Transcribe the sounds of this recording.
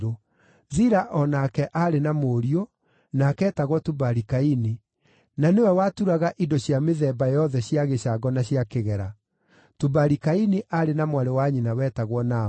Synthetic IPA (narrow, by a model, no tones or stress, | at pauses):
o | ðiɾaʔɔnakɛʔaɾenamoːɾio | nakɛːtaɣwɔtubaɾikaini | nanewɛwatuɾaɣaʔidoɕjameðɛːbajɔðɛɕjaɣeɕaɡɔnaɕjakeɣɛɾa | tubaɾikaineʔaɾenamwaɾewaɲinawɛtaɣwɔna